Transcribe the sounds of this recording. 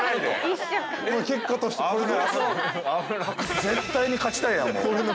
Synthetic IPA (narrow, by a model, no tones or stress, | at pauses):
make̞kːat̪o̞ɕi̥t̪ekoɾene | zẽ̞nt̪aiɲ̟ikat͡ɕi̥t̪aijã̰mo̰soɾeno